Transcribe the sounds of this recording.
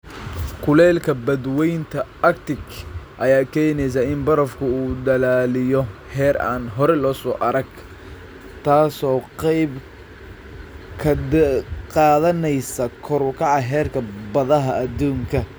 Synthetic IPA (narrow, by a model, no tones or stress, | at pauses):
kʰʊlɛːlkʰɐbɐd̪wɛjnt̪ʰɐɐkt̪ɪɡʔɐjaːkʰɛːnɛjs̬aɪnbɐɾɐfkʰʊuːd̪ɐlaːlɪjɔhɛːɾa̰ːnɦɔɾɛlɔːsɔːʔɐɾɐɡ | t̪ʰaːsɔːqɛjb | kʰɐ | qɑːðɐnɛjsɐkʰʊɾʊkʰɑʕɑɦɛːrkʰɐbɐðɐɦɐːd̪uːŋkʰɐ